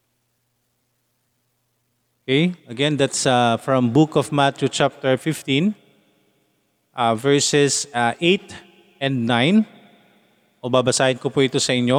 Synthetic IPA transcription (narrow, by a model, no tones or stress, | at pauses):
okejɐɡɛ̃nd̪at̪safɹɐ̃mbukɔfmat̪jut͡ʃap̚t̪ɛɹfɪft̪ĩn | ʔavɛɹsɛsʔejt̪ | ʔɛ̃nd̪̚najn | ʔobabɐsaːhɪnkopuʔɪt̪osɐʔɪnjo